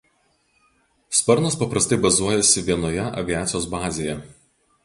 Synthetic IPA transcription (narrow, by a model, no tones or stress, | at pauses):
spɐɾnɐspɐpɾɐst̪ɐɪbɐzuɔjɛsʲɪʋʲiɛnoːjɛʔɐ̰ʋʲiæːt̪sʲɪjoːsbɑːzʲeːjɛ